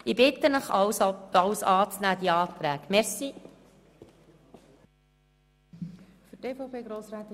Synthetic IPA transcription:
ibɪt̪ənəχɑsɑwsɑːt͡snæːd̪iɑːt̪ɾæːkmɛɾsi | fyteːfɔʊpʰeːɡɾoːsraːt̪

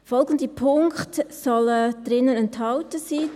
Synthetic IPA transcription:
fɔlɡən̩d̪ipʰʊŋkχtsɔləd̥ɾɪnːənɛnthɑwtəsiː

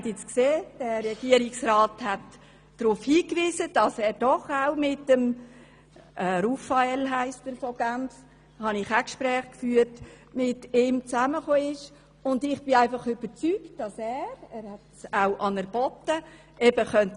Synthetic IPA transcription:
tɪt͡skseːd̥ɛːɛɡ̥iəɾɪksraːthɛtː | ɾʊfhiːkviːzəd̥ɑsɛːɾd̥ɔχaʊmɪtəm | ʔɛɾufaɛlɦæɪstəɾfɔɡ̥æmf | hɑnɪχakʃpɾɛːχkfyːəɾt | mɪtɪmt͡sæməχoːɪʃ | ʊndɪχb̥ɪæɪfɑχʏb̥əɾt͡syktd̥ɑsɛːɾɛːɾhɛtsaʊʔɑnəɾb̥ɔtə | ʔɛbəχœnt

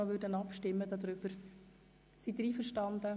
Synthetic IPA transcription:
ɔʋʏːɾdənɑpʃtɪmːəd̪ɑd̪ɾʏb̥əɾ | sid̪ɾiːfəɾʃtɑnd̪ə

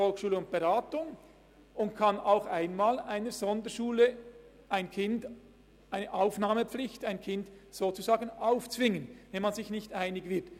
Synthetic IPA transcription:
fɔlxʃuːləʊnt̚b̥eʁaːtʊŋ | ʊnt̚kʰɑnaʊxaɪnmaːlaɪnəɾz̥ɔndəʃuːlə | ʔaɪnkʰɪnd | ʔaɪnəʔaʊfnaːməp͡flɪçtaɪnkʰɪndz̥oːt͡suzaːɡənaʊft͡svɪŋənvɛnmɑnzɪçnɪçtaɪnɪɡvɪt

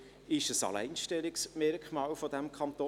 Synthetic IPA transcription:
ɪʃəsɑ̰læ̰ɪnʃtɛlɪksmɛɾkʰmɑːlfodɛmkʰɑnt̪oː

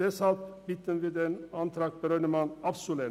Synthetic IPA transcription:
ɛsɑlpbɪt̪ːənʋɪd̪ɛnɑnt̪ʰɾɑɡ̚pɔɾœnəmɑnɑfsʊle

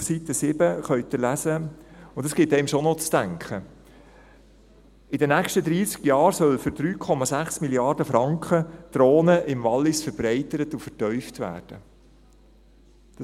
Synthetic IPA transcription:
sit̪əsɪbəχœʏt̪əlæsəʊndɑsɡ̥ɪt̪ɛɪmʃɔnɔt͡sd̥æŋkχə | ɪdənækʃtəd̪ɾiːsɡ̥jɑːɾsœlfʏɾd̥ɾyːkʰɔmɑzæχsmiljɑːɾdəfɾɑŋkχəd̪̥ɾoːnəʔɪmvɑlːɪsfəɾbɾɛɪtəɾət̪ufəɾtœʏftʋæ̰ːɾd̥ə | d̥

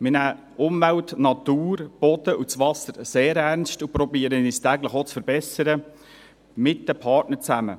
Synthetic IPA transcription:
mɪnæː | ʔʊmvæwtnɑt̪uːrb̥ɔd̥̪əʔut͡sʋɑsəɾseːɾæɾnstupɾɔbiːəɾəiːstæɡləχot͡sfəɾbɛsəɾə | mɪt̚dəpʰɑrtnəɾt͡sæmə̰

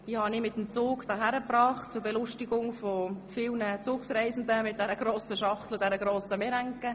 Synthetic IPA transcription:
d̥iːhɑnɪmɪt̪ːəmt͡soːkd̥ɑːɦæɾəprɑːχtt͡sʊɾbelʊʃtiɡʊŋfɔfɪlˠnət͡sʊːksrɛɪzn̩d̪əmɪt̚d̥ɛɾəɡ̥ɾoːsəʃɑχtlədɛɾəɡɾoːsəmeɾæŋkə

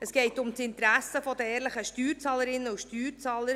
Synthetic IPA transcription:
əsɡ̥ɛɪtʊmtɪnt̪ɾæsəfɔd̪əɛːɾləχəʃtyːɾt͡sɑːləɾɪnːəuʃtyːɾt͡sɑːləɾ

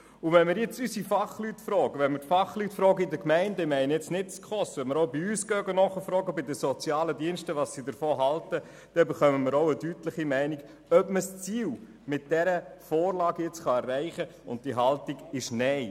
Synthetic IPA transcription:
ʊvɛnmɪɾjɛt͡sysifɑχlytfɾɔːɡəʋɛnmɪɾtfɑχlytfɾɔːɡəɪdəkmæɪndəɪmɛɪnəjɪt͡snɪt̚t͡skχɔsʋɛnmɪɾoʊbiyːsɡœːɡənɔχəfɾɔːɡəbɪdəsɔt͡sjɑːlədiənʃtəʋɑsːidəɾfoːɦɑltə | d̥ɛbɛχœməmɪɾoʊədytləχimæɪnik | œpməst͡siːw | mɪt̚d̥ɛɾəfɔːɾlɑːɡjɪt͡sχɑɛrːæɪχəʊ̰nt̚d̥iɦɑltiɡ̥ɪʃnɛɪ

